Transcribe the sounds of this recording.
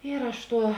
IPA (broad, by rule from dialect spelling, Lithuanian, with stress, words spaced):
ɪr ˈɐʃ ˈtuɔ